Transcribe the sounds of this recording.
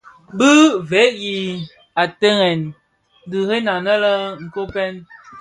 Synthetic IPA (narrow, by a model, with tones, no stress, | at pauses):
bɨ˦vɛ˨˦ʔji˨ | a˨tə˦ŋɛ˨n | dɨ˨he˦na˨nə˦lə˦ŋ̩˨ko˦pɛ˦n